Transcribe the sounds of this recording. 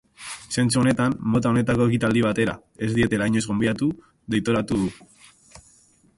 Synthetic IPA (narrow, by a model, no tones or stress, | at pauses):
se̞nt͡suo̞ne̞t̪amːo̞t̪ao̞ne̞t̪ako̞e̞kit̪ald̪iβ̞at̪e̞ɾa̰ | e̞zd̪ie̞t̪e̞ɾajɲo̞zɣo̞mbiat̪u | ðe̞jt̪o̞ɾat̪uðu